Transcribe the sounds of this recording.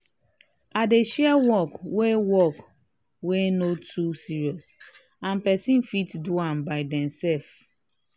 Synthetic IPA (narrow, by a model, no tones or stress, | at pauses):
adeʃɛwɔkwewɔk | wenotʰusiɹiɔs | ãnpɛsĩnfitduãnbaɪdɛ̃msɛlf